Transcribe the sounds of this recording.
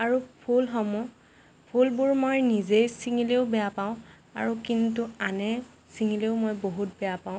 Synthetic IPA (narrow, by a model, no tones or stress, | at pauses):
aɹupʰulɦɔmʊ | pʰulbʊɹmojnizejsiŋileʊbɛjapaʊ̃ | a̰ɹukintuanɛ | siŋileʊmojboɦut̚bɛjapaʊ̃